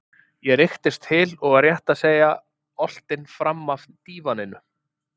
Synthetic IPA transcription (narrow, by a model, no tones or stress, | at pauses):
jɛɾɪxt̪ɪst̪hɪlɔɣarjɛht̪aðseːja | ɔl̥t̪ɪnfɾamːavt̪iːvanɪnʏ